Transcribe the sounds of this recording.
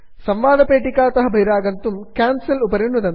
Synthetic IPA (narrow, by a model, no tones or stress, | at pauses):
sɐmʋaːd̪ɐpeːʈːikːaːt̪ɐɦɐbʱɐjɾaːɡɐnt̪umkaːnsɐlupɐɾiɳːuðɐn